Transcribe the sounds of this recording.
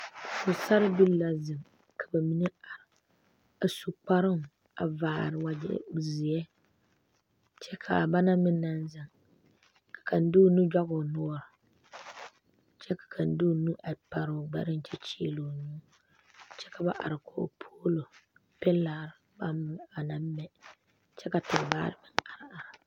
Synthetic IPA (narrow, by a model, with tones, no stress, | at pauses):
ko˨sa˦ɾɨ˦bu˦lla˨zɨ˨ŋ | kʰa˨ba˨mi˦nɨ˦a˨ɾɪ˨ | a˨su˦k͡pa˦ɾɨ˦ŋ˨ | a̰˨vaː˨ɾɨ˨wa˨d͡ʒɪ̰˨zi˨ɛ˦ | t͡ʃɛ˦kʰa˨a˨ba˦na˦mɨ˦na˦n˦za˨ŋ | kḁ˨ka˨n̩˨˦du˦nu˦d͡ʒa˦ɡʊ˨nɔ˦ɔ˦˨ɾɪ˨ | t͡ʃɛ˦kḁ˨kʰa˨n˨˦du˦˨nu˦ʔa˨pa˨ɾʊ˨ɡ͡ba̰˦ɾɨ˦n˦t͡ʃɛ˦t͡ʃi˦lo˨ɲu˦ | t͡ʃɛ˦ka˨ba˦ʔa̰˨ɾɨ˨ko̰˨pʰoː˦lo˨ | pɛ˦laː˨ɾba˦a˨na˦m˦mɛ˨ | t͡ʃɛ˦ka˨tɨ˨ɾba̰ː˦ɾɨ˦bɨ˨ŋa˨ɾa˨ɾ